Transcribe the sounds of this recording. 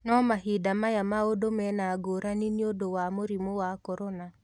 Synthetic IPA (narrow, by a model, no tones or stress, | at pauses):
nɔmaɦidamajamaodomɛnaːɡoɾaniniodowamoɾimowakɔɾɔna